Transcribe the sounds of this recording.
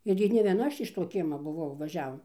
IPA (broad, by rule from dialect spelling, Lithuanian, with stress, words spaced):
ɪr ɡʲɪ nʲɛ ʋʲiɛˈnɐ ˈɐʃ ɪʃ ˈtoː ˈkʲiɛmɐ bʊˈʋɐʊ ʋɐˈʒʲæːʋoːm